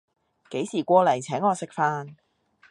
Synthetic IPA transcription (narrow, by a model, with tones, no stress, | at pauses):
ke˨˥jsiː˨˩kʷɔː˧lɐ˨˩jt͡sʰɛː˨˥ŋɔː˨˧sɪ˥k̚faː˥n